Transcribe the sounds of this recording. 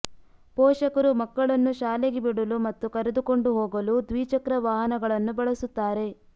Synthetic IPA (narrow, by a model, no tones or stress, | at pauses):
pɔːʃɐkɐɾumɐkːɐɭɐnːuʃaːleɡebiɽɐlumɐt̪ːukɐɾed̪ukoɳɖuɦoːɡɐlud̪ʋiːt͡ʃɐkɾɐʋaːɦɐnɐɡɐɭɐnːubɐɭɐsut̪ːaːɾe̞